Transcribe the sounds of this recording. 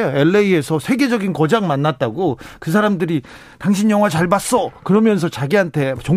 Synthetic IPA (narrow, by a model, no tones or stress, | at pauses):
eɭːeie̞sʰʌsʰe̞ɡe̞d͡ʑʌɡinkʌd͡ʑaŋmanːat̚t͈aɡokɯs̬ʰaɾamdɯɾi | taŋɕʰinjʌŋwat͡ɕaɭbas͈ʌkɯɾʌmjʌns̬ʰʌt͡ɕaɡiɦantʰe̞t͡ɕo